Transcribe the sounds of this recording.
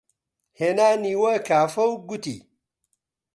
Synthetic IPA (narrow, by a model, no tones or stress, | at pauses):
henaniwɐkafɐwɡutḭ